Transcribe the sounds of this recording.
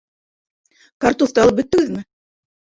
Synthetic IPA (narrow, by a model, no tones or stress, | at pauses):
kart̪uθt̪ɑlˠɤpbɵ̆t̪ːɘ̆ɡɘðmɘ